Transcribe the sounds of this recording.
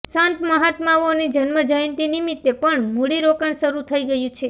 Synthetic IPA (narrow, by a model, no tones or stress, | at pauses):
sãnt̪məɦat̪maʋonid͡ʒənməd͡ʒəjnt̪inimit̪ːepəɳmoɽiɾokəɳʃəɾut̪ʰəiɡəjũt͡ʃʰe